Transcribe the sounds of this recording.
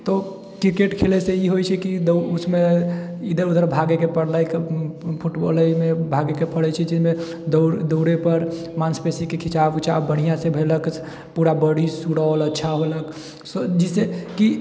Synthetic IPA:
t̪ɔ | kɾikeʈkʰeleseiɦojt͡ʃʰɛkid̪usmeid̪əɾud̪ʱəɾbʱaɡekepəɽləjkpʰuʈbo̰ləjmebʱaɡekepʰəɽɛt͡ʃʰɛt͡ʃizme | d̪d̪oʊɾepəɾmanspesikekʰit͡ʃabut͡ʃʰa̰bəɽ̤ijãsebʱelək | puɾabəɽisuɽaoləːt͡ʃʰaɦolək | sd͡ʒiseki

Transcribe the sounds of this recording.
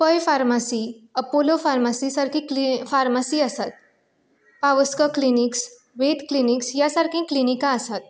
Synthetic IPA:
pəjfaɾmasiːəpolofaɾmasisaɾkʰĩkfaɾmasiasat̪̚ | paʋəskəkliniks | ʋet̪kliniksjasaɾkʰẽklinikaəsat̪̚

